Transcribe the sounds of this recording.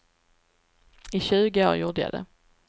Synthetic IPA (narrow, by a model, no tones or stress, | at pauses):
ɪɕʉ̟ːɡəo̰ːɾjʊːd̪əja̰d̪ɛ̰